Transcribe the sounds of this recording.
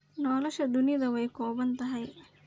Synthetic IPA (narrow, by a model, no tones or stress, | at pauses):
nɔːlɛʃɐd̪ʊnijd̪ɐwɐjkɔːbɐnt̪ɐɦɐj